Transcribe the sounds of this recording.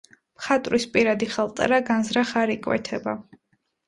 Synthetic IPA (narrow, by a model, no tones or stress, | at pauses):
mχat̪ʼɾispʼiɾad̪iχɛlˠt̪ʼɛ̰ɾaɡanzɾaχaɾikʼwɛ̰t̪ʰɛba